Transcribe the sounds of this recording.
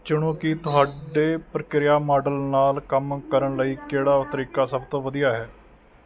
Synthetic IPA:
t͡ʃʊɽ̃õːkɪt̪ʊɦaːɖeːpəɾəkɪɾjaːmaːɖəlnaːlkəmkəɾəɳləiːkeːɽaːʊt̪əɾiːkaːsəbt̪õːʋəd̪ijaːɦɛː

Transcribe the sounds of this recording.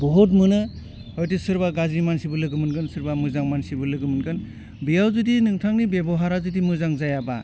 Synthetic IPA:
bɔɦut̬̚mɯnɯ | hɔjdɯsɯɾbaɡazimansibɯlɯɡɯmɯnɡɯnsɯɾbamɯzaŋmansibɯlɯɡɯmɯnɡɯn | bijawzudinɯŋtʰaŋnibebɔɦaɾazɯdimɯzaŋzajaba̰

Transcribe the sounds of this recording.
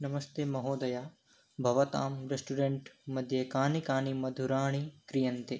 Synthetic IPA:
nɐmɐst̪eːmɐɦoːd̪ɐjaː | bʱɐʋɐt̪aːmɾesʈuɖeɳʈmɐd̪ʱjekaːnikaːɳimɐd̪ʱuɾaːɳikɾijɐnt̪e

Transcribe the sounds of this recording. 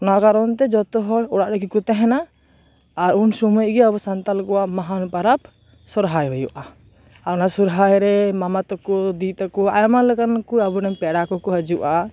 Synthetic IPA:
ɔnaʔkaɾɔnt̪ɛd͡ʒɔt̪ɔɦɔɔɽaʔɾɛkikut̪ɛɦɛnaː | ɾunsumujɡɛabɔsant̪alkɔwaʔmaɦanpaɾap | sɔɾɦajbəjṵʔa | aɾɔnasuɾɦajɾɛmamat̪ɔkɔd̪it̪akɔa̰jamalɛkankuabunaɲpɛɽakɔkɔɦəd͡ʒuʔa

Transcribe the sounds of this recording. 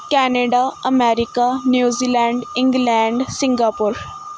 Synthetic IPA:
kɛːneɖaəmeːɾikanjuːziːlaːɳɖĩŋɡlɛːɳɖsiŋɡaːpuɾ

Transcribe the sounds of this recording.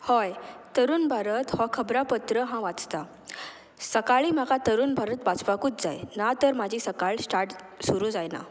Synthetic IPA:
hɔjt̪əɾuːnbʱaɾət̪hɔkʰəbɾapət̪ɾəɦãʋat͡st̪a | səkaɭiːmakat̪əɾuːnbʱaɾət̪bat͡spakuːt̪̚d͡za̰jnat̪əɾmad͡ʑʱiːsəkaɭsʈaɾʈsuɾud͡zajna̰

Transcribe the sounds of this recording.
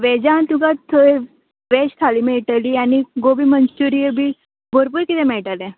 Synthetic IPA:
ʋed͡ʑãnt̪ũkat̪ʰːəe | ʋeɕt̪ʰalimeɭʈəlianiɡobimənsuɾijəbi | bʱoɾp̬uɾkit̪emɛɭʈəle

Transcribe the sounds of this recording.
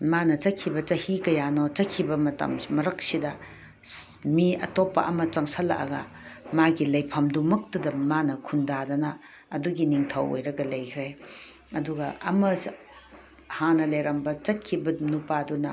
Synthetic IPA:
manɐt͡ʃɐkʰːibɐt͡ʃɐhikɐjanot͡ʃɐkʰːibɐmɐtɐ̰mmɐɾɐksidɐ | miɐ̰topːɐ̰ʔɐmɐt͡ʃɐŋsʰɐlːa̰ʔɐ̰ɡɐ̰ | maɡilɐjpʰɐmdumɐk̚tɐdɐmanɐkʰundadɐnɐ | ɐduɡiniŋtʰɐwo̰jɾɐɡɐlɐjkʰɾe | ɐduɡɐʔɐ̰mɐ | hanɐlɐjɾɐmbɐt͡ʃɐkʰːibɐnupadunɐ

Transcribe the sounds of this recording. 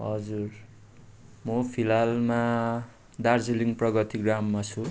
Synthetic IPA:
ɦʌd͡zur | mʌpʰilalma | d̪ard͡zeliŋɡprʌɡʌt̪iɡramːat͡sʰu

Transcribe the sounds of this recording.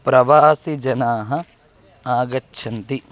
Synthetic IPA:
pɾɐʋaːsid͡ʒɐnaːɦɐ | aːɡɐtːʃʰɐnt̪i

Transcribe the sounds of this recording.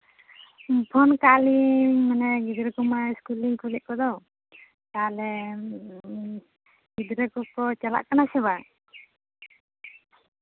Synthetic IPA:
pʰɔnkaliŋmanɛɡid̪ɾɛkɔmaskuliŋkulɛʔkɔd̪ɔ | t̪alɛ | ɡid̪ɾɛkɔkɔt͡ʃala̰ʔkanasɛba

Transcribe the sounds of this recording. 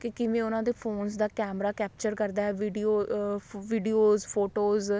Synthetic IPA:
kɪkɪʋẽːʊnãːd̪eːpʰoːns̬d̪aːkɛːmɾaːkɛːp̚t͡ʃəɾkəɾd̪aːɦɛːʋiɖioːʋiːɖioːzpʰoːʈoːz

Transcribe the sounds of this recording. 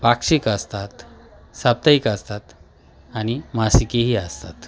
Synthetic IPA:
pakʂikəst̪at̪ | sap̚t̪aikəst̪at̪ | aɽ̃imasikeɦiːəst̪at̪

